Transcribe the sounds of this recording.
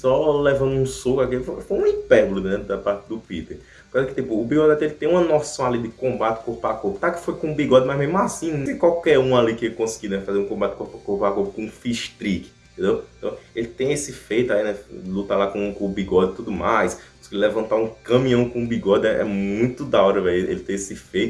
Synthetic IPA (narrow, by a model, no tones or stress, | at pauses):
sɔlɛvɐ̃nd̪ʊũsokakifofojũĩpɛɾblʊnɛ̃d̪apaɾt̪ɪd̪ʊpit̪eɾ | kozɐkɪ̥t̪ipʊːbiɡɔd̪ɛt̪elɪt̪ẽj̃ũmɐnɔsɐ̃w̃alid̪ɪkõbat̪ɪ̥kohpakoɾpʊt̪akɪ̥fojkõũbiɡɔd̪ɪmajzmezmʊasĩɪkwawkɛɾũalikɪekõsɪ̥ɡinɛfazeɾũkõmbat̪ɪ̥koɾpakohpakoɾpkõũfiʃt̪ɾikɪ̃ | t̪ẽnd̪ew̃t̪ɐ̃w̃elɪt̪ẽj̃esɪfejt̪ʊalinɛlut̪alakõkõʊbiɡɔd̪ɪt̪ud̪ʊmajskõsiɡilɛvɐ̃nt̪aũkɐ̃mĩɐ̃w̃kõʊbiɡɔd̪ɪɛʔɛ̰mũj̃t̪ʊd̪aɔɾɐvɛlʔḛlɪt̪ẽj̃esɪfejt̪ʊ